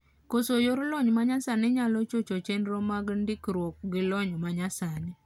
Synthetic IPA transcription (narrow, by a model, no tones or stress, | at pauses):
kosojoɾlɔɲmaɲasanɪɲalɔt͡ʃot͡ʃot͡ʃendɾomaɡndɪkɾwɔk̚ɡɪlɔɲɔmaɲasanɪ